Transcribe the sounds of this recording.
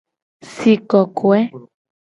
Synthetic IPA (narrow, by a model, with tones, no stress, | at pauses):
si˨kɔ˨kʰo˨ɛ˦